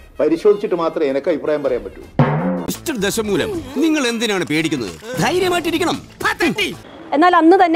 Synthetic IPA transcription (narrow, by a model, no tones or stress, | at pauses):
pɐɾiɕo̞ːd̪it͡ɕːiʈːɨmaːt̪rɐmenɐkːɐbʱipraːjɐmpɐrɐjaːmpɐʈːu̥̰mistɐrd̪eɕɐmuːlɐ̰mniŋːɐɭe̞nd̪inaːɳɨpe̞ːɽikʲːunːɐ̰ðɨ̰d̪ʱɐjɾjɐmaːjʈːiɾikʲːɐɳɐm | pʰːt̪ʈi | e̞nːaːlɐnːɨt̪ɐnːe